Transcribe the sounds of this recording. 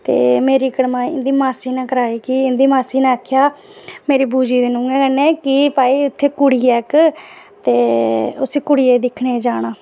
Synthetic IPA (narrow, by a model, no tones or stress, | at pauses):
t̪ḛːmeːɾiːkəɽmãːɪ̰nd̪iːmaːsiːnɛ̃ːkəɾaːiːkiɪnd̪iːmaːsiːnɛ̃ːəkʰjaː | meːɾiːbuːd͡ʒiːd̪ɪnũːɡɛːkɛnẽːkɪpaːiːʊt̪ʰːeːkʊɽiːɛːk | t̪eːʊseːkʊɽiːeːd̪ɪkʰneːd͡ʒaːɽaː